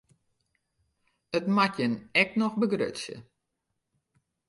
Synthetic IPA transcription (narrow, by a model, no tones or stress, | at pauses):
ətmatjənɛk̚nɔxbəɡrø̰tsjə̰